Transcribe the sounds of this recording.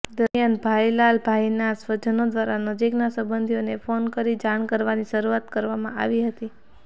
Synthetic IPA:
d̪əɾjanbʱailalbʱajnasʋəd͡ʒənod̪ʋaɾanəd͡ʒiknasəbənd̪ʱijonefonkəɾid͡ʒaɳ̃kəɾʋaniʃəɾuat̪kəɾʋamã̰a̰ʋiɦət̪i

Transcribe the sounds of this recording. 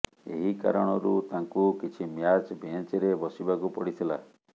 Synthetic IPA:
eɦika̰ɾɔɽ̃ɔɾut̪aŋkukit͡ʃʰimjat͡ʃbẽt͡ʃiɾebɔsibakupɔɽit̪ʰila

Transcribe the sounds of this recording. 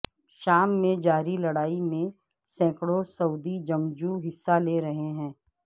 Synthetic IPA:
ʃaːmːẽd͡ʒaːɾilɐɽaːimẽ | sɛ̃ːkɽosɐʊd̪id͡ʒɐ̃md͡ʒuɦɪsːaleːɾɐɦeɦɛ̃ː

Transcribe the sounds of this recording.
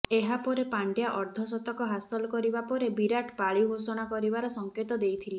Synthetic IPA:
eɦapɔɾepaɳɖjaʔɔɾd̪ʱɔsɔt̪ɔkɔɦasɔlɔkɔɾibapɔɾebiɾaʈpaɭiɦosɔɽ̃akɔɾibaɾɔsɔŋket̪ɔd̪ejt̪ʰile

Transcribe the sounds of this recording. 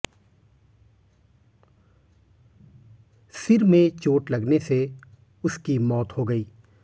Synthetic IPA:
sɪɾmẽt͡ʃoːʈlɐɡnese | ʊskimɔːt̪hoɡɐiː

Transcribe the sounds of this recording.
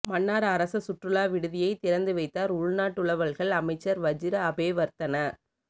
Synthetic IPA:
mɐnːaːɾɐɾɐsɐsʊʈrɯɭaːʋɪɽɯðɪjɐɪt̪ɪɾɐnd̪ɯʋɐɪt̪ːaːɾʊɭnaːʈːɯɭɐʋɐɭɣɐɭɐmɐɪt͡ʃːɐɾʋɐd͡ʒɪɾɐbeːʋɐɾt̪ɐnɐ

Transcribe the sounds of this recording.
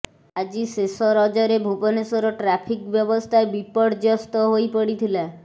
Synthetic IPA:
ad͡ʒisesɔɾɔd͡ʒɔɾebʱubɔnesɔɾɔʈɾapʰikbjɔbɔst̪ʰaebipɔɽd͡ʒɔst̪ɔɦojpəɽit̪ʰila

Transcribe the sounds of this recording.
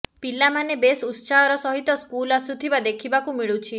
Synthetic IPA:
pilamanebesut̪saɔɾɔsɔɦit̪ɔskulasut̪ʰibad̪ekʰibakumiɭut͡ʃʰi

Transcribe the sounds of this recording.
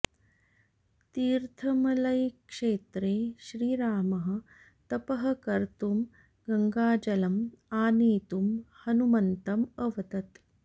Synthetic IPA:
t̪iːɾt̪ʰɐmɐlɐjkʂeːt̪ɾeːʃɾiːɾaːmɐɦɐ̆ | t̪ɐpɐɦɐ̆kɐɾt̪um | ɡɐŋɡaːd͡ʒɐlɐmaːniːt̪umhɐnumɐnt̪ɐmɐʋɐt̪ɐt̪

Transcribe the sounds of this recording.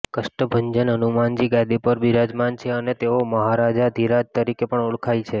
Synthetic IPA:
kəʃʈəbʱənd͡ʒənənumand͡ʒiɡad̪ipəɾbʱiɾad͡ʒmant͡ʃʰeənet̪eoməɦaɾad͡ʒad̪ʱiɾad͡ʒt̪əɾikepəɳoɭkʰajt͡ʃʰe

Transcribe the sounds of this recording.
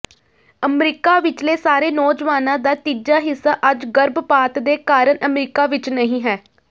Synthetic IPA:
əmɾiːkaːʋɪt͡ʃleːsaːɾeːnɔːd͡ʒʋaːnãːd̪aːt̪iːd͡ʒaːɦɪsːaːʔəd͡ʒɡəɾbpaːt̪d̪eːkaːɾəɳʔəmɾiːkaːʋɪt͡ʃnəɦĩːɦɛː

